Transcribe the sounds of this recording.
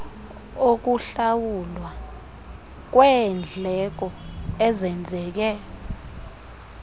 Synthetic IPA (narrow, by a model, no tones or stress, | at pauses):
ok̬uɬawulwa | k̬wɛnd͡ɮʱɛk̬ɔɛzɛnd͡zʱɛːk̬ɛ